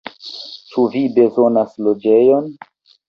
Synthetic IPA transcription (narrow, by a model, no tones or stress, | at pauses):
t͡ʃuvibe̞zo̞naslo̞d͡ʒejon